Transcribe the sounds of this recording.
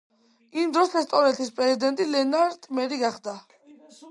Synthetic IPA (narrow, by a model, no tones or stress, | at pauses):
imd̪ɾɔsɛst̪ʼɔvɾɛnt̪ʰispʼɾɛzid̪ɛnt̪ʼilɛnaɾd̪ʼmɛɾiɡaχd̪a